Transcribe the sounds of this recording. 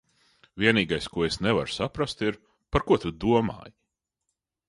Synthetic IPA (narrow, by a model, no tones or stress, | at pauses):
vʲiɛniːɡajskuɔesnɛva̰ɾsapɾast̪iɾ | paɾkuɔt̪ud̪uɔma̰ːji